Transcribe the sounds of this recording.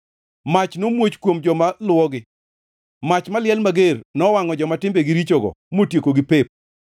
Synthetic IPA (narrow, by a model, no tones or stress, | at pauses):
mat͡ʃnomwot͡ʃkwomd͡ʒɔmalwɔɡɪ | mat͡ʃmalɪɛlmaɡernɔwaŋɔd͡ʒɔmatɪmbeɡɪɾit͡ʃoɡɔ̰motjekoɡɪpep̚